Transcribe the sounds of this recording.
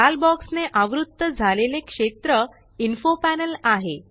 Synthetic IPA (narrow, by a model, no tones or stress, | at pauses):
albɔksneʔaʋɾud̪ːəd͡zʱalelekʂet̪ɾə | infopænəlaɦe